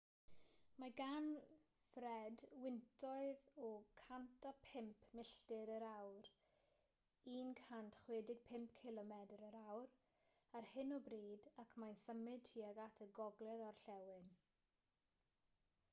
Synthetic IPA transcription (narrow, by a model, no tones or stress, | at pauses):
maɡan | frɛdwɪntʰɔɨðɔkʰantʰapʰɪmpʰmɪɬtɪɾəɾawr | iːnkʰantχweːdɪɡ̥̚pʰɪmp̚kʰɪlˠɔmɛdəɾəɾawr | arhɪnɔbriːdakʰmajnsəmɨd̚tʰiːaɡatʰəɡɔɡlˠɛðɔrɬɛwɨn